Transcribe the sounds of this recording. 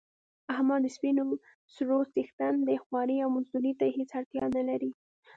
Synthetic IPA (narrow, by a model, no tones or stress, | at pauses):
ahmɑd̪əspino | sɾosixt̪and̪əxwɑɾiawmʊzd̪uɾit̪ahet͡saɽt̪jɑnalaɾi